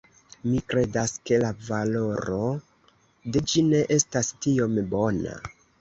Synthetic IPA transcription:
mikɾe̞daske̞lavalo̞ɾo̞ | de̞d͡ʒine̞ʔe̞stastio̞mbo̞na̰

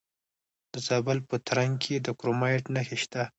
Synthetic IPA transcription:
d̪̥əzɑbəlpət̪ɾaŋɡkʰed̪əkɾomɑʈnaxeʃt̪a

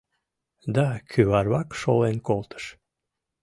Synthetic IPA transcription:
d̪ɑkʰyβɑrβɑkʃolenkolˠt̪ə̥ʃ

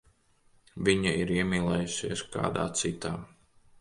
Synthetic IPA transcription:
viɲɐiɾiɛmiːlˠɛjusiɛska̰ːd̪a̰ːt̪sit̪aː

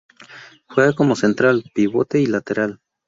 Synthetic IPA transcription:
xweɣakomosent̪ɾalpiβot̪eilat̪eɾal

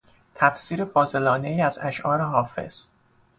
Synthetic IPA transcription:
t̪ʰæfsiːɾe̞fɒːze̞lɒːnejiːæzæʃʔɒːɾeɦɒːfe̞̰z̥

